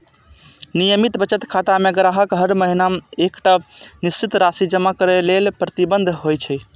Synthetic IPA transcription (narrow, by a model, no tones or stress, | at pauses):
nijəmit̪bət͡ʃət̪kʰat̪ameɡɾaɦəkɦəɾməɦinamekʈanist͡ʃit̪ɾasid͡ʒəmakəɾelelpɾət̪ibə̃nd̪ʱɦojt͡ʃʰɛ